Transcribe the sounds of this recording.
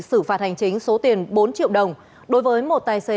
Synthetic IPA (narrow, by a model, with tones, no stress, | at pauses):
sɨ˧˩faː˨˩t̚ha˨˩jŋ̟t͡ɕï˨˦ŋ̟so˨˦t̪i˨˩ənɓo˨˦nt͡ɕḭ˧˨əwɗə˨˩wŋ͡m | ɗo˨˦jvəː˨˦jmo˨˩t̚t̪aː˧jse˨˦